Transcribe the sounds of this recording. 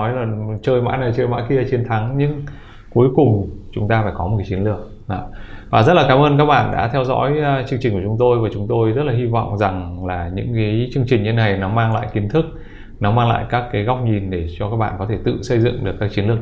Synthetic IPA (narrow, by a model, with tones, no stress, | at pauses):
ɔ˨˦jlaː˨˩t͡ɕəː˧jma̰ː˧˥na˨˩jt͡ɕəː˧jma̰˧˥ki˧ət͡ɕe˧nt̪ʰa˨˦ŋɲɨ̰˧˥ŋ | ku˨˦jkʊ˨˩ŋ͡mt͡ɕʊ˨˦ŋ͡mt̪aː˧faː˧˩jkɔ˨˦o˨˩ka˨˦t͡ɕi˨˦nlɨ˧˩ək̚ | ɔ˨˦vaː˨˩zə˦˥t̚laː˨˩kaː˨˦mʔəː˧nkaː˦˥k̚ɓa̰ː˧˨nɗa̰ː˧˥t̪ʰɛ˧wzɔ̰˧˥jt͡ɕɨ˧ŋt͡ɕï˨˩ŋku˧˩t͡ɕʊ˨˦ŋ͡mt̪o˧jvaː˨˩t͡ɕʊ˨˦ŋ͡mt̪o˧jzə˦˥t̚laː˨˩hi˧vɔ̰˧˨wŋ͡mza˨˩ŋlaː˨˩ɲɨ̰˧˥ŋkaː˨˦jt͡ɕɨ˧əŋt͡ɕï˨˩ŋɲɨ˧e˧˦na˨˩jnɔ˨˦maː˧ŋla̰ː˧˨jki˨˦nt̪ʰɨ˦˥k̚ | nɔ˨˦maː˧ŋla̰ː˧˨jkaː˦˥kːaː˨˦jɣa˦˥wk͡p̚ɲi˨˩nɗe˧˩t͡ɕɔ˧kaː˦˥k̚ɓa̰ː˧˨kɔ˨˦t̪ʰe˧˩t̪ɨ̰˧˨sə˧jzɨ̰˧˨əŋɗɨ˨˩əkːaː˦˥k̚t͡ɕi˨˦nlɨ˧˩ə˩